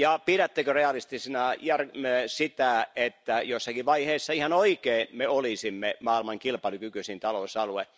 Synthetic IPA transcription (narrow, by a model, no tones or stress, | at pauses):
jɑpiɾæt̪ːekøreɑlist̪isinɑjærmesit̪æet̪ːæjosːɑkiʋɑiheːsːɑihɑnoikeːnmeolisimːemɑːilmɑŋkilpɑlukykysint̪ɑlosɑlue